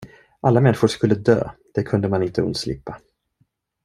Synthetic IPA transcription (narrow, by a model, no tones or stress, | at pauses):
ʔalːamɛnːɪɧʊʂkɵlːəd̪ø̰ːd̪̥ɛkʰɵnd̪əmanɪnt̪ʰəɵ̰nt̪slɪ̰pːa